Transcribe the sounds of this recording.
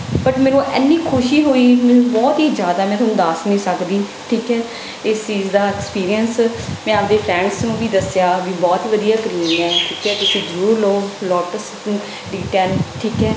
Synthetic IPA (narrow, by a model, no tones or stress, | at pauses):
bəʈmeːnũːʔɛ̰ːnːiːkʰʊʃiːɦoːiːmeːnũːbɔːt̪ɦiːd͡ʒjaːd̪aːmɛ̃ːt̪ʰːnũːd̪aːsnĩːsəkd̪iː | ʈʰiːkɛː | ɪst͡ʃiːd͡ʒd̪aːɪkspiːɾijənsmɛ̃ːəpd̪eːpʰɾɛ̃ːɳɖsnũːbiːd̪əsjaːʋiːbɔːt̪ʋəd̪ijaːkəɾiːnɛːʈʰiːkɦɛːt̪ʊsiːd͡ʒəɾuːɾloːlɔːʈəs | ɖiːʈəɾnʈʰiːkɦɛː